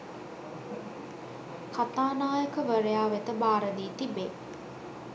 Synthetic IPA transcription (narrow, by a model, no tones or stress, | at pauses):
kat̪aːnaːjəkəʋəɾəjaːʋet̪əbaːɾəd̪iːt̪ibe